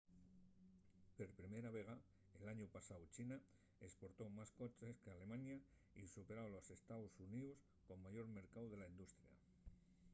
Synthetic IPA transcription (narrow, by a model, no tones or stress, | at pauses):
pe̞ɾpɾimeɾaβ̞e̞ɣ̞a | elaɲupasawt͡ʃina | espo̞ɾt̪omasko̞t͡ʃe̞skeale̞mãɲa | isupe̞ɾawlose̞st̪awsunius | ko̞mːaʝo̞ɾme̞ɾkawðe̞laind̪ust̪ɾja̰